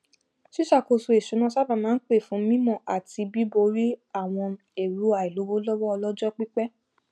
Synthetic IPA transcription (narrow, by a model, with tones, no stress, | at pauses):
ʃi˦ʃa˦˨ko˧su˧e˨ʃu˨˦nã˦sa˦bã˨mãː˨˦k͡pe˦˨fũ˨˦mĩ˦mɔ̃˦˨ʔa˨ti˧bi˦bo˧ɾi˦a˦˨w̃ɔ̃˧ | e˨ɾu˨˦a˨i˨lo˨˦wo˦lɔ˦wɔ˦ɔ˧lɔ˦d͡ʒɔ˦k͡pi˦k͡pɛ˦